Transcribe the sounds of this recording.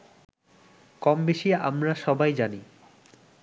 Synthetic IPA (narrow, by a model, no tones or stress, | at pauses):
kɔmbeʃia̰mɾaʃɔbajd͡ʑani